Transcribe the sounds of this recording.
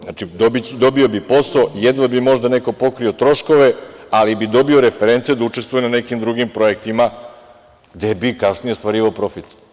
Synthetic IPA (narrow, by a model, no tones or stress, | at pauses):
a̰t͡ʃid̪obid̪o̞bio̞bipo̞saojed̪ʋabimo̞ʒd̪ane̞ko̞po̞kɾio̞t̪ɾo̞ʃko̞ʋe̞alibid̪o̞bio̞ɾefeɾent̪sijed̪aut͡ʃest̪ʋujenanekimd̪ɾuɡimpɾo̞e̞k̚t̪ima | ɡd̪e̞bikasnije̞st̪ʋaɾiːʋaopɾo̞fit̪